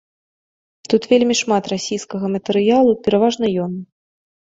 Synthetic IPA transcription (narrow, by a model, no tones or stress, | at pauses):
t̪ut̪vʲelʲmʲiʂmat̪rasʲijskɐɣɐmɐt̪ɛɾɨjalˠupʲɛɾavaʐnɐjɔn